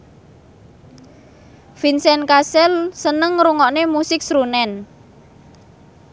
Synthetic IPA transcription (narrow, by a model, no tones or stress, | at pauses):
finsɛnkasɛlsənəŋɾuŋɔʔnemusɪk̚sɾunɛn